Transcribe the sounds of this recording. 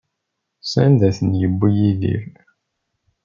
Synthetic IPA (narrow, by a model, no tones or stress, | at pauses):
sænd̪æθənjəbːijilḭɾ